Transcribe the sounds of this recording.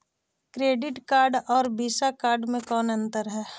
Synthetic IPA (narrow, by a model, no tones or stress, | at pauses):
kɾeːɖɪʈkaːɾɖɔːɾbiːsakaːɾɖmẽkɔːnɐ̃nt̪əɾɦɛː